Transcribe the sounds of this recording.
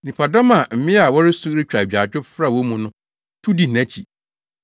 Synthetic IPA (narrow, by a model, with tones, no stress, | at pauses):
nĩ˨pʰa˨dɔ˦mã˨m̩˨mɪ̃˦a˨wɔ˦ɾɪ˦su˦ɾɪ˦t͡ɕᶣa˨a˨d͡ʑᶣʊ˦fɾa˦˨wɔ˦mũ˨nʊ̃˦ | tʰu˦di˨næ̃˦t͡ɕʰi˨